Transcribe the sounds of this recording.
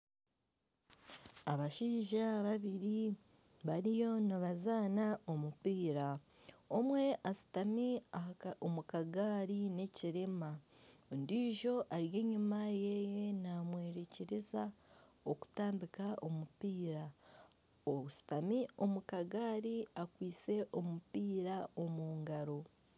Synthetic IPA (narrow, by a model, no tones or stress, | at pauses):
aβaʃiːʒaβaβiɾi | βaɾijo̞naβazaːnao̞mupiːɾa | o̞mwe̞ʔasi̥tamiaomukaɡaːɾine̞ciɾemandiːʒo̞ʔaɾje̞ːɲumajeje̞namwe̞ːɾeceɾezaoku̥taːmbikaʔomupiːɾa | ousi̥tamio̞mukaɡaːɾiakwiːt͡se̞ʔo̞mupiːɾao̞muːŋɡaɾo̞